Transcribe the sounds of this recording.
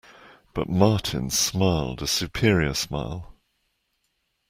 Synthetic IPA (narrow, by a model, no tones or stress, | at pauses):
b̥ʌ̰ʔmɑˑʔʰɪ̰̃nsmaɪlˠdəsjʉpʰɪɹiəsma̰ɪlˠ